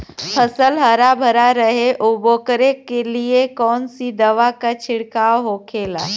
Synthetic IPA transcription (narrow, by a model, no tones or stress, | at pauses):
pʰəsəlɦəɾabʱəɾaɾəɦeʔoboːkəɾekːeliekɔːnsid̪əʋakat͡ʃʰɪɽkaːoɦokʰeːla̰